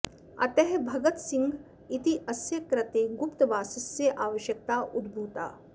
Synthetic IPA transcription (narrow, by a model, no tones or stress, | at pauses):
ɐ̰t̪ɛɦbʱɐɡɐt̪sĩŋɡ | it̪iʔɐsjɐkɾɐt̪eːɡupt̪ʋaːsɐsːeʔaːʋɐʃjɐk̚t̪aːʔud̪bʱuːt̪a̰ː